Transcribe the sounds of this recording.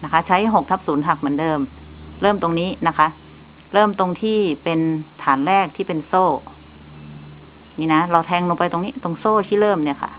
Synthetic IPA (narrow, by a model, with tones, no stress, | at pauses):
na˦˥kʰa˦˥t͡ɕʰa˦˥jɦo˨˩k̚t̪ʰa˦˥p̚suː˩˦nt̪ʰa˨˩k̚mɯ˩˦ndɤː˧m | ɾɤː˥˩mt̪o˧ŋniː˦˥na˦˥kʰa˦˥ʔ | ɾɤː˥˩mt̪o˧ŋt̪ʰiː˥˩pe˧nt̪ʰaː˩˦nɾɛː˥˩k̚t̪ʰiː˥˩pe˧nsoː˥˩ | niː˥˩na˦˥ɾa˧wt̪ʰɛː˧ŋlo˧ŋpa˧jt̪o˧ŋniː˦˥t̪o˧ŋsoː˥˩t̪ʰiː˥˩ɾɤː˥˩mni˥˩ɐkʰa̰˥˩